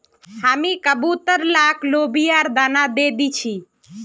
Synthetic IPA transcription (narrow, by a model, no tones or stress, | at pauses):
hamĩkəbut̪əɾlaːkʰloːbijaːɾd̪aːnad̪eːd̪it͡ʃʰi